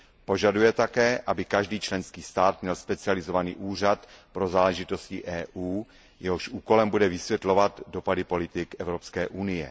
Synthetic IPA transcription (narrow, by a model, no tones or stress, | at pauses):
po̞ʒadujɛt̪akɛːʔabɪkaʒdiːt͡ʃlɛnskiːst̪aːt̪mɲɛlspɛt͡sɪalɪzo̞vaniːʔuːr̝at̪pɾo̞zaːlɛʒɪt̪o̞scɪ̰ʔɛːʔuː | jɛɦoʃʔuːko̞lɛmbudɛvɪsvjɛt̪lo̞vat̪do̞padɪpo̞lɪt̪ɪkʔɛvɾo̞pskɛːʔunɪjɛ̰